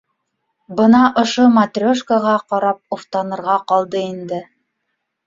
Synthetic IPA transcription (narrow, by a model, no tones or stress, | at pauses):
bɤnɑʔŏʃomat̪rʲoʃkaʁɑqɑɾɑp̚oft̪ɑnɤ̆ɾʁɑqɑlˠd̪ɤind̪ɘ